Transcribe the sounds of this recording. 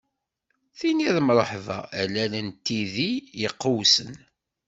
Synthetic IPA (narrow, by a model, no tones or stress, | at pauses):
θiniðmɾˤəħvæ̰ælːælənt̪ːiðijəqːuwsən